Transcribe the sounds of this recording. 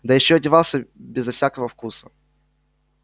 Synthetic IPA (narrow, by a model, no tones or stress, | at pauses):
d̪əjɪɕːoɐdʲɪvɑlˠsʲəbʲɪzɐfsʲakəvəfkusə